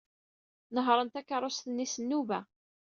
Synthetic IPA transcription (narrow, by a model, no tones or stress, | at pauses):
nəɦɾˤənt̪ækːɑɾˤosθənːisənːuvæ